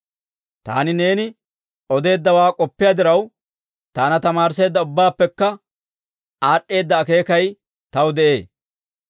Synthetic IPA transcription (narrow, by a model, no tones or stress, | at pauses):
t̪a̰ːnɪne̞ːnɪ | ɔd̪e̞ːd̪ːɐwaːkʼɔpːɪjad̪ɪɾɐw | t̪aːnɐt̪ɐmaːɾse̞ːd̪ːɐʊbːaːpːɛkːɐ | aːʔːe̞ːd̪ːɐːke̞ːkɐj | t̪ɐwd̪ɛʔe̞ː